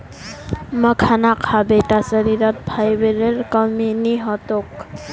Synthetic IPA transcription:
məkʰanakʰabeʈasəɾiɾɔt̪̚bʱajbeɾeɾkɔminiɦɔt̪ok

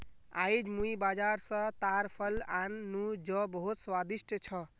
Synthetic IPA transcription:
a̰jd͡ʒmuibad͡ʒaɾsə̃t̪aɾpʰəlanːud͡ʒɔbəɦut̪swad̪isʈʰət͡ʃʰʌ

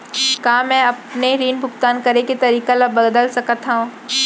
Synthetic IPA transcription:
kaːmɛ̃ːɐpneɾiːnbʱʊkt̪aːnkɐɾeket̪ɐɾiːkalɐbɐɡd̪əlsɐkət̪aɦũː

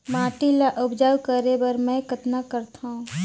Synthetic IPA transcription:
maːʈilaʔʊbd͡ʒawkəɾebɐɾmɛ̃kət̪nakɐɾt̪ʰaɦũ

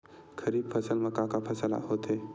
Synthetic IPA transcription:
kʰɐɾiːb̚pʰɐsəlmɐkakapʰɐsəla̰hoːt̪eː

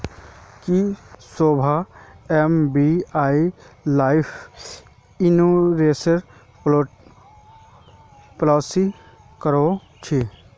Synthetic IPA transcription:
kisoːbʱaɛmbiaːilaːɪpʰ | ɪnoɾeːsəɾ | plɔːsi | kəɾo | t͡ʃʰe

